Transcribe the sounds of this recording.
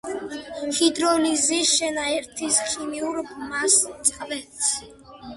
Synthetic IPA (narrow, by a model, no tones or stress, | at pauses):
mfid̪ɾɔniziʃɛnaɛɾt̪ʰisχʰimiuɾbmassʼqʼavɛt̪sʰ